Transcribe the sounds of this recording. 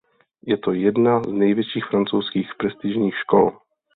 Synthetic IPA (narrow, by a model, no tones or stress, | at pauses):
jɛt̪ojɛd̪naznɛjvjɛt͡ʃiːxfɾant͡sowskiːxpɾɛst̪iʒɲiːxʃkɔl